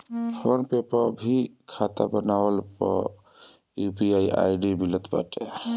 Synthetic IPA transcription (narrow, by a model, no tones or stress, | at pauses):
pʰonpepəbʱikʰat̪a̰bənawəlpɔ̰ | jupiaja̰jɖibilət̪ba̰ʈe